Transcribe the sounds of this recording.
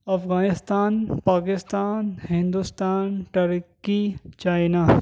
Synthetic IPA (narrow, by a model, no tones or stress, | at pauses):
ɐfɣaːnɪst̪aːnpaːkɪst̪aːnhɪ̃nd̪ust̪aːnʈɐɾkit͡ʃaːɪnaː